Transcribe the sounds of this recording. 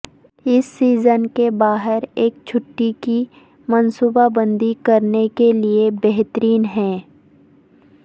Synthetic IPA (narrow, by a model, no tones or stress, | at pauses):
ɪsːiːzənkebaːɦɪɾeːk̚t͡ʃʰʊʈːiki | mɐnsuːbabə̃nd̪ikɐɾnekeliebɛɦt̪əɾiːnɦɛ̃ː